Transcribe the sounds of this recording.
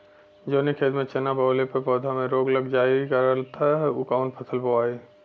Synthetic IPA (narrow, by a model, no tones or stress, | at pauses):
d͡ʒoːnikʰeːd̪mẽt͡ʃenabəːlepəpɔːd̪ʱamẽɾoːɡləɡd͡ʒaːikəɾəlt̪aɦukaʊnpʰəsʰəlboaːi